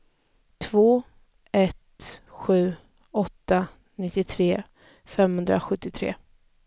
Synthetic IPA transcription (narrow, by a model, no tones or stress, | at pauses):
t̪ʰvoː | ɛt̪ɧʉ̟ː | ɔt̪ːa | nɪt̪ːɪt̪ʰɾeː | fɛmhɵnd̪ɾa̰ɧɵt̪ːɪt̪ʰɾḛː